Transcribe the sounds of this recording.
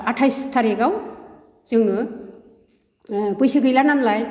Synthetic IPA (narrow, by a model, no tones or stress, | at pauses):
atʰajstʰaɾeɡaw | z̥ɯŋnɯ | bɯjsɯɡɯjlananlaj